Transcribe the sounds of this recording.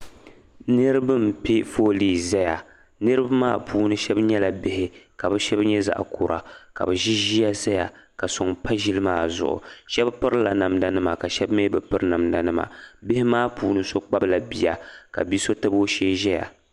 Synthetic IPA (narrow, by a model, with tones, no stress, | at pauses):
nɨ˦ɾɨ˦bɨ˦m˨pi˦foː˦liː˨zɛ˦ja˨ | nɨ˦ɾɨ˦bma̰ː˦pʰuː˦nɨ˦ʃɛ˦bɲɛ˦la˨bɪ˦hɪ˨ka˨bɨ˦ʃɛ˦bɲɛ˦za̰˨ʔkʰo˨ɾa˨ka̰˨bɨ˨ʒi˦ʒi˦ja˦sa˦ja˨ka˨sʊ˨ŋpa˦ʒi˦lɨ˦maː˦˨zʊ̰˨ʔʊ̰˨ʃɛ˦bpɨ˦ɾla˨na˨mda˨nɨ˦ma˨ka˨ʃɛ˦bmeː˦bɨ˨pɨ˦ɾna˨mda˨nɨ˦ma̰˨bɪ˦hɪ˦maː˦puː˦nɨ˦so˦k͡pa˦bla˨bi˨ja˨ka̰˨bi˦so˦tɨ˦bo˦ʃeː˦ʒɛ˦ja̰˨